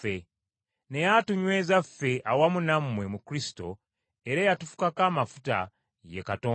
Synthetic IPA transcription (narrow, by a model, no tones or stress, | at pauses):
e | ne̞jatuɲwe̞ːzafːe̞ʔawamunamːwe̞mukɾisi̥to̞̰ | eɾajatufu̥kakaːmafuta̰ | je̞̰katoː